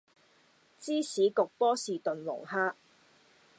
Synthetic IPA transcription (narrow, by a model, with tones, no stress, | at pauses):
t͡siː˥sʰiː˨˥kʊ˨k̚pɔː˥siː˨t̪ɵ˨nwʊ̰˨˩ŋɦaː˥ʔ